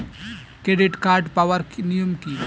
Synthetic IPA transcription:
kɾeɖɪʈkaːɾɖpawəɾknijumkiː

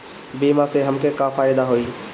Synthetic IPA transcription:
bimãseɦəmkekafaːɪd̪aɦoiː

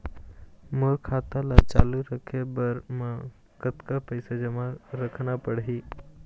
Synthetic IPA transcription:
moɾkʰaːt̪alat͡ʃaːluɾəkʰebəɾmə̃ | kət̪kapəjsad͡ʒɐmãɾəkʰnapəɽɦiː

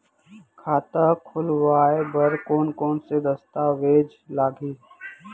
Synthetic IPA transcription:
kʰaːt̪akʰʊlʋaːebəɾkoːnkɔːnsed̪əst̪aʋeːd͡ʒ | laːɡʱiː

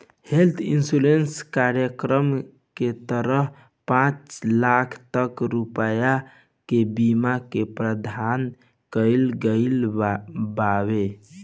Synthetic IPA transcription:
helt̪ʰinsulenskaɾjəkɾəm | ket̪əɾəɦ | pãt͡ʃlakʰt̪əkɾupəja | kebimakepɾəd̪ʱan | kəɪlɡəɪl | bawe

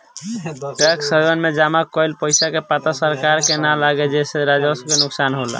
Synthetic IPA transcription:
ʈɛksəbənmed͡ʒamakːɔjlpəjsakepat̪asəɾkaɾkenalaɡed͡ʒeseɾad͡ʒasəbkenuksanɦola̰

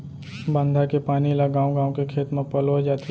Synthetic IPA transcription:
bə̃nd̪ʱakepaːnilaɡãːõɡãːõkekʰeːt̪mẽpɐlod͡ʒaːt̪

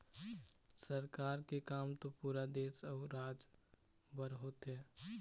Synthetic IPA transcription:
səɾkaːɾkekaːmt̪opuːɾad̪eːsɔːɾaːd͡ʒ | bəɾɦoːt̪ɦɛː

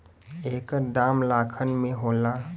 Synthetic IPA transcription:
eːkəd̪aːmlaːkʰənmẽɦoːla

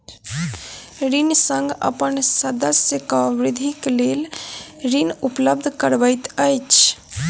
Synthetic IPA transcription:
ɾinsə̃ŋɡə̰pənsəd̪əsjəkabɾid̪ʱiklelɾinupləb̚d̪ʱkəɾbəjt̪əjt͡ʃʰ

